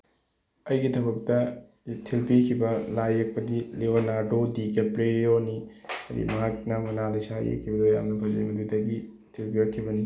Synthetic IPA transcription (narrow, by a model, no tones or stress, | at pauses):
ɐjɡitʰɐbɐk̚tɐ | tʰilpikʰibɐlajek̚pɐdileonaɾdodikepɾeɾioniɐdḭmɐɦak̚nɐmɐnalɐjsajḛkʰːibɐdoja̰mnɐpʰazɐ̰mɐdudɐɡi | tʰilpiɐkʰːibɐni